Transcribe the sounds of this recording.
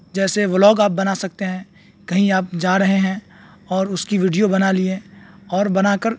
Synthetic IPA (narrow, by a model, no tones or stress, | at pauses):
d͡ʒɛːseʋlɔːɡaːp̚bɐnaːsɐk̚t̪eɦɛ̃ː | kɐɦĩaːp̚d͡ʒaːɾɐɦeɦɛ̃ | ɔːɾʊskiʋiːɖijobɐnaliẽɔːɾbɐnaːkəɾ